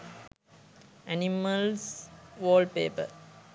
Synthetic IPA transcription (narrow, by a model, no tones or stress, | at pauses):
æniməlsʋoːlɖpeːpə̰